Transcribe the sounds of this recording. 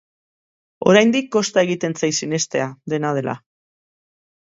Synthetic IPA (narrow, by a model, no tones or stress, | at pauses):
o̞̰ɾajnd̪ikːo̞st̪ae̞ɣ̞it̪e̞nt͡sajsine̞st̪e̞ad̪e̞nað̞e̞lʔa̰